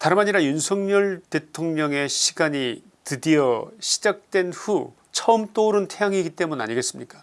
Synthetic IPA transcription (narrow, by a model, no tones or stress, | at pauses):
taɾɯmɦaɲiɾajunsʰʌŋɲʌɭtetʰoŋɲʌŋe̞ɕʰiɡaɲi | tɯdijʌɕʰi̥d͡ʑak̚t͈we̞nɸu | t͡ɕʰʌɯmt͈oɾɯntʰejaŋiɡit͈e̞munna̰ɲiɡes͈ɯmɲik͈ḁ